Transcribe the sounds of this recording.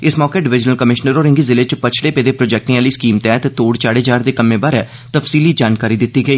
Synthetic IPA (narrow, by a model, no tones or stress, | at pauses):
ɪsmɔːkeːɖɪʋɪd͡ʒnəlkəmɪʃnəɾoːɾɪ̃ŋɡiːzɪleːt͡ʃpət͡ʃʰɽeːpeːd̪eːpɾoːd͡ʒɛːk̚ʈĩːaːliːskiːmt̪ɛːt̪t̪oːɽt͡ʃaːɽeːd͡ʒaːɾd̪eːkəmːẽːbaːɾɛː | t̪əfsiːliːd͡ʒaːnkaːɾiːd̪ɪt̪ːiːɡəiː